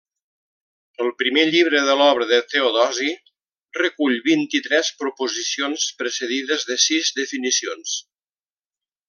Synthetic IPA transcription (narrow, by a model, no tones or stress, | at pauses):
əlˠpɾimeʎiβ̞ɾəðəlɔβɾəðət̪eoðɔzi | rəkuʎβint̪it̪ɾɛspɾupuzisionspɾəsəðiðəzðəsizðəfinisions